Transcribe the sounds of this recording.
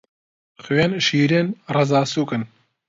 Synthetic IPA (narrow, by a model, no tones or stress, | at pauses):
xɨjenʃiːɾeːnrɐzaːsuːkɨn